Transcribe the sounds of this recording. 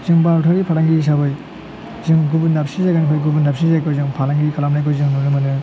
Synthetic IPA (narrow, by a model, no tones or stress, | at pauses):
zɯŋbaɾtʰaɾipʰalaŋɡis̬abɯj | zɯŋɡubundap̚sizaɡanikʰɔjɡubundap̚sizajkʰɯjzɯŋpʰalaŋɡikʰalamnajkʰɯjzɯŋnunɯmɯnɯ